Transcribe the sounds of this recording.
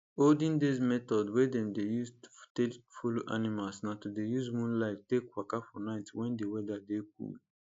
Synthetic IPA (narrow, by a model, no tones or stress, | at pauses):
oldĩndezmɛtɔdwɛdɛ̃mdejusttefoloʔanimalsnatudejuzmũnlaɪttekwakafɔnaɪtwɛ̃ndewɛdadek̚ṵl